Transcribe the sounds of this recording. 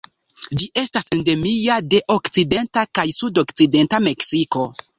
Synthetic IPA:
d͡ʒiʔe̞stasende̞miade̞ʔo̞kt͡side̞ntakajsudokt͡side̞ntame̞ksiko̞

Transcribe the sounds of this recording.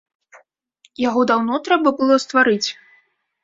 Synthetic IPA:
jaɣɔd̪awnɔt̪ɾɛbɐbɨlˠɔst̪vaɾɨt͡sʲ

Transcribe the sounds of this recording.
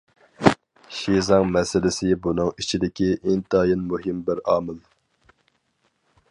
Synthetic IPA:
ʃizɑŋmɛsɪlɪsɪbunɨŋit͡ʃʰid̪ɪkʲiʔint̪ɑjinmuɦɪmbɪɾɑːmɪl

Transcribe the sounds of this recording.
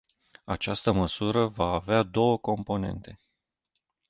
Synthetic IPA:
at͡ʃast̪əməsuɾəvaːvead̪o̞wəko̞mpo̞ne̞̰nt̪e̞

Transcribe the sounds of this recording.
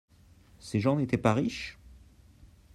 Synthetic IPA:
seʒɑ̃net̪ɛpaʁiʃ

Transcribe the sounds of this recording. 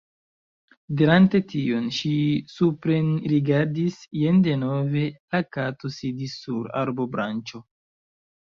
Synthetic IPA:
diɾante̞tio̞nʃisupɾenɾiɡaɾdisjende̞no̞ve̞lakato̞sidisːuɾa̰ɾbo̞bɾant͡ʃo̞

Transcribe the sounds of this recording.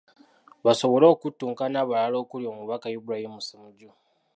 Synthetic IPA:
βaso̞βo̞lo̞ːkutːuːŋkanaβalalo̞ːkuljo̞ːmuβakajubuɾajimmusemuɟu

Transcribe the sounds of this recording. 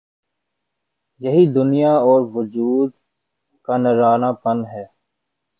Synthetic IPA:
jɐɦid̪ʊnijaɔːɾʋʊd͡ʒuːd̪ | kanəɾaːnaːpɐnɦɛː

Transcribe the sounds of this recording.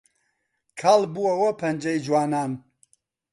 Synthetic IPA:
kʰaːlbuɐwɐpʰɐnd͡ʒɐjd͡ʒwaːnaːn

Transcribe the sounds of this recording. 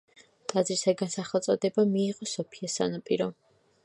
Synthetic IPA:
t̪ʼad̪zɾisaɡansaχɛlˠt̪sʼɔd̪ɛbamiːʁɔsɔpʰiɛsa̰napʼiɾɔ

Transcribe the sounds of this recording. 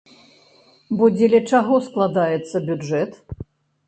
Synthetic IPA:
bɔd͡zʲɛlʲɛt͡ʂaɣɔsklˠad̪ajɛt̪sːɐbʲud͡ʐɛt̪

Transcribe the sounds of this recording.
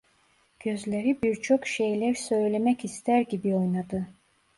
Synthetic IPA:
ɟ̥øzlʲeɾibiɾt͡ʃʰo̞kʃe̞jlʲæɾsø̞jlʲemɛcist̪ʰæɾɟibio̞jnad̪ɯ

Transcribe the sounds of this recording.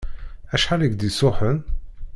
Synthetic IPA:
æʃħaliɡd̪isʊħən

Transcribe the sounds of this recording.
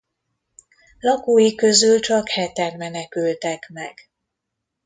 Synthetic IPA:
lɒkuːjikø̞zylt͡ʃɒkhɛt̪ɛrmɛnɛkylt̪ɛkmɛ̰ɡ̥

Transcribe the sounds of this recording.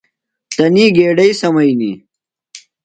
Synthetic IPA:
t̪ɐniːɡeːɖɐjsɐmɐjnḭ

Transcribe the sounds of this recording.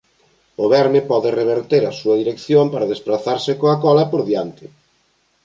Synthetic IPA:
ʊβɛɾmɪpɔðɪreβ̞eɾt̪eɾɐsuɐðiɾekθjompaɾɐðespɾaθaɾsɪkoɐkɔlɐpoɾðjant̪ɪ

